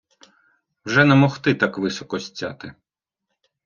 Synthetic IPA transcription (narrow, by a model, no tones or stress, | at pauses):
wʒɛnɛmɔxt̪ɪt̪ɑkʋɪsɔkɔsʲt͡sʲːa̰t̪ɪ